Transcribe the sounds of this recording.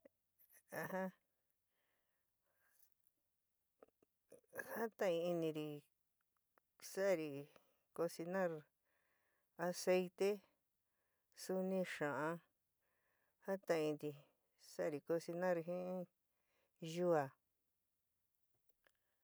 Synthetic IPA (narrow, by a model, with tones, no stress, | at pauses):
a˧hã˦ | ha˦t̪ã˦˧ĩ˧i˧nĩ˧ɾi˧ | sa˦˧ɾi˧ | ko˧si˧nã˦ɾ | a˧se˧jt̪e˦ | su˧nĩ˦ʃã˨ã˧ | ha˦t̪ã˧ĩ˧nd̪i˧ | sa˦˧ɾi˨˧ko˧si˧nã˦ɾi˧ɦĩ˦ | ʒu˦a˨